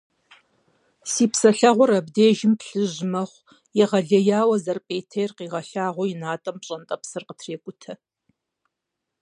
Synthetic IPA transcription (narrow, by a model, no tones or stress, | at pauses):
siːpsɐɬɐʁʷɔɾɐbdeːʒɪmpɬɨʑmɐχʷ | jɛʁɐɮɐjaːwɐzɐrpʼeːtʰejrqiːʁɐɬaːʁʷɔjɪnaːtʼɐmpɕʼɐntʼɐpsɨrqətʰreːkʷʼʊtʰɐ